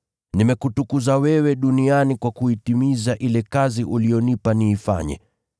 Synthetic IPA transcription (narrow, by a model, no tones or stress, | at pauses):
nimɛkutukuzawɛwɛɗunianikwakuitimizaʔilɛkaziʔulijɔnipaniːfa̰ɲɛ̰